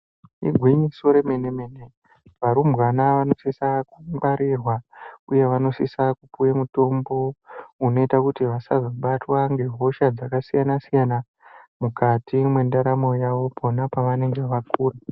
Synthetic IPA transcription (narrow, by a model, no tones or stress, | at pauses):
ḭɡʱwiɲisoɾeme̞neme̞ne | ʋaɾumbwanaʋano̞sisakumbaɾirwauje̞ʋano̞sisakupujemuto̞mbo̞uno̞itakutiʋasazoɓatwaŋɡe̞ɦo̞ʃad͡zakasijanasijana | mukatʰimwendaɾamo̞jaʋo̞pʰonapaʋane̞ŋɡe̞ʋakuːra